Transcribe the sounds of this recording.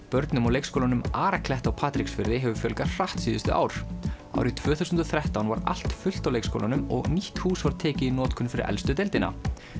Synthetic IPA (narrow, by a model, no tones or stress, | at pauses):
pœɾt̪nʏmawlejkskowlanʏmaːɾakʰlɛht̪awpʰaːt̪ɾiksfɪɾðɪɦɛvʏfjœlkar̥aht̪siːðʏst̪ʏʔa̰ːwɾ̥ | a̰wɾit̪ʰvœːθuwsʏnt̪ɔθɾɛht̪awnvaɾa̰l̥t̪fʏl̥t̪awlejkskʰo̰wlanʏmɔɣniht̪huːsvaɾt̪ʰɛːcɪinɔːt̪kʰʏnfɪɾɪ̰ɾʔɛ̰lst̪ʏt̪elt̪ɪna̰